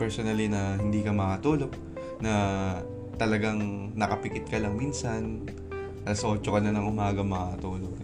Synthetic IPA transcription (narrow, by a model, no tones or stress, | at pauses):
pɛɹsonɐlinɐhɪnd̪iːkɐmɐkɐt̪uːlo̞ɡ̚ | nɐ | t̪ɐlɐɡaŋ | nɐkɐpɪkɪt̪̚kɐlɐŋminsɐn | ɐsoːt͡ʃokɐnɐnɐŋʔʊmaːɡɐmɐakɐt̪uːloɡ̚